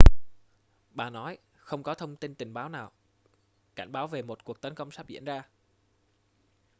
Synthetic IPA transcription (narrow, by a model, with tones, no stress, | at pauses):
ɓaː˨˩nɔ˨˦j | xə˧wŋ͡mkɔ˨˦t̪ʰə˧wŋ͡mt̪i˧nt̪ï˨˩ŋ̟ɓaː˨˦wnaː˨˩w | ka˧˩jŋ̟ɓaː˨˦wve˨˩mo˨˩t̚ku˨˩ək̚t̪ə˨˦nkə˧wŋ͡msaː˦˥p̚zḭ˧˥ənzaː˧